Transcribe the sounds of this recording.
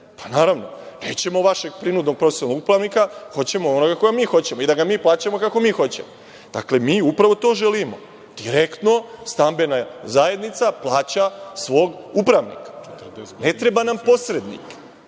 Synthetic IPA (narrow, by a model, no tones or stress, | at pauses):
pḁnaːɾaʋno̞ | ne̞̰ːt͡ɕe̞mo̞ʋaʃe̞ɡ̚pɾinud̪no̞ɡ̚pɾot̪e̥sonoɡupɾaʋnikaxo̞t͡ɕe̞moono̞ɡako̞ɡamiːxo̞t͡ɕe̞moid̪aɡamiːplˠaːt͡ɕamo̞kako̞miːxo̞t͡ɕe̞̰mo | d̪̥a̰kle̞miːupɾaʋo̞t̪o̞ːʒelimo | d̪̥iɾekt̪no̞st̪ambe̞nazae̞d̪nit̪saplˠaːt͡ɕasʋo̞ːɡupɾaʋnḭkḁne̞t̪ɾe̞banampo̞sɾe̞d̪nḭk